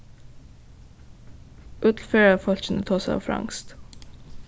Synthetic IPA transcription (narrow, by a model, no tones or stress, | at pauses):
ʔʉːt̪l̩føːɹɑfɔlçn̩ət̪ʰoːsæɪɑ̰ːfɾɑ̰ŋst̪